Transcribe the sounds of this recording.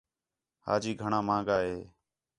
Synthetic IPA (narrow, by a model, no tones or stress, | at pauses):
ha̰ːd͡ʒiːɡʱəɳãːmãːŋɡaːɦeː